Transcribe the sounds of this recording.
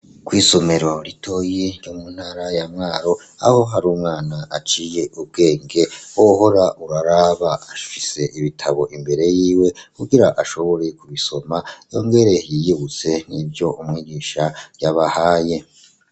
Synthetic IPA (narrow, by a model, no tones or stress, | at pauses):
kwiːso̞me̞ɾo̞ɾitʰojeɾjomuːnhaːɾajamŋaːɾo̞ | a̰ho̞ɦaɾuːmŋaːnaʔat͡ʃiːje̞ʔub̚ɡe̞ːŋɡewoho̞ɾaʔuɾaɾaβaafise̞ʔiβitʰaβo̞ʔimbe̞ɾe̞jiːwe̞kuɡiɾaʔaʃo̞βo̞ɾe̞kuβiso̞majo̞̰ːŋɡe̞ɾe̞jijiβut͡se̞n̥ibjo̞ʔumŋiːɡiːʃajaβahaːje̞